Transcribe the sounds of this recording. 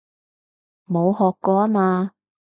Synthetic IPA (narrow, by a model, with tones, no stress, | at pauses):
mo˨˧whɔː˨kːɔː˧aː˥maː˧